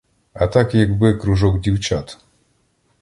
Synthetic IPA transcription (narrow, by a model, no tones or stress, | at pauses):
ɐt̪akjɐɡbɨkɾʊʐɔkdʲiwt͡ɕat̪